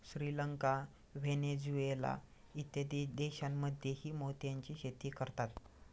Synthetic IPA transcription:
ɕɾiləŋka | ʋened͡zuela̰ | it̪ed̪d̪eɕamːəd̪ʱjehiːmot̪jaɲt͡ɕiːɕet̪iːkəɾt̪at̪

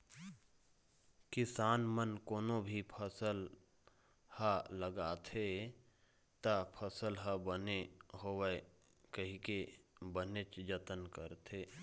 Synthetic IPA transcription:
kɪsaːnmənkoːnobʱipʰəsəl | haləɡaːt̪ʰe | t̪apʰəsəlɦabəneɦowe | kəɦikebənet͡ʃd͡ʒət̪ənkəɾt̪ʰeː

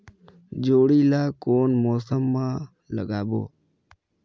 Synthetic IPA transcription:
d͡ʒoːɽiːlaːkoːnmoːsəmːãː | ləɡaːbo̰ː

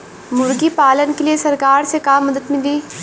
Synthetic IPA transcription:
mʊɾɡipaːlənkeliesɐɾkaːɾsekaːmːɐd̪əd̪mɪliː

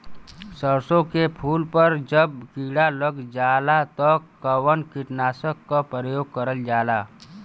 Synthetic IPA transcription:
səɾsõkepʰuːlpəɾd͡ʒəb̚kiːɽaləɡd͡ʒaːlat̪ɔkəwənkɪʈnaːsəkːapɾəjoːɡ̚kəɾəld͡ʒaːlaː

